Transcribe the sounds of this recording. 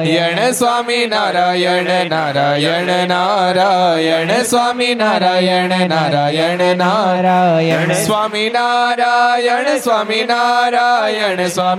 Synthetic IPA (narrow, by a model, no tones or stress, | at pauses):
jɛɳəsʋaːminaːɾajɛɳnaɾajɛɳənaɾajɛɳəsʋaːminaɾajeɳnaɾajɛɳna | sʋaːminaɾajɛɳəsʋaːminaɾajɛɳəsa